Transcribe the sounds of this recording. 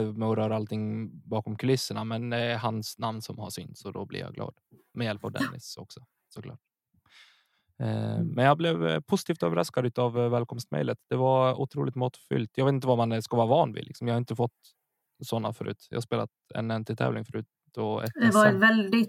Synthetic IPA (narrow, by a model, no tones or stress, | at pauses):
mɛɔɾœːɾaalt̪ʰɪŋːbɑːkɔmkʰɵlɪsːəɳamɛnd̪ɛɛɾɦansnamnsɔmhaʂʏnt̪sɔd̪ɔ̰blɪ̰ɾja̰ɡlɑ̰ːd̪̥mɛjɛlpavd̪ɛ̰nʔɪ̰sɔksɔ | sɔkʰlɑ̰ːʈ̚ | mɛnjɑblɛvpʰʊsɪt̪ʰiːft̪øːvəɾa̰skad̪ʉ̟ːt̪avːɛːlkʰɔmst̪mɛ̰jlət̪d̪̥ɛvaʊt̪ʰɾuːlɪt̪mɔt̪fʏ̰lt̪jɑɡveːt̪t̪vamanskavɑːɾavɑːnvɪ̰lɪksɔmjɑhaɾɪnt̪əfɔt̪ː | sɔnːafœɾʉ̟ːt̪jɑ̰haspeːlat̪ɛ̰nɛnt̪ʰɪt̪ʰɛ̰ːvlɪŋfœɾʉ̟ːt̪ | d̪ɔɛ̰d̪ɛvavɛld̪ɪ